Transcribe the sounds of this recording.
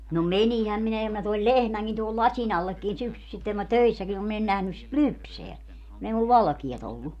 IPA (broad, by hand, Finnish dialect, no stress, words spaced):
no menihæm minæ jɑ mæ toil lehmæŋkin tohol lɑsʲin ɑlːekːin syksysitːeŋ ku mæ tøisːækin om min en næhnys sit lypseæ kun ei mul ʋɑlɑ̆kiɑt olːu